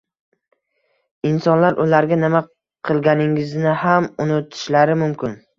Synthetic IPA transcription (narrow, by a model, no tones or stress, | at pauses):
ɪnsɒnlaɾʔʊlaɾɡʲanɪma | qʰɨlˠɡʲanɪŋɪznɪhamʊnɪt̪ʰɪ̥ʃlaɾɪmʊmkʲɪn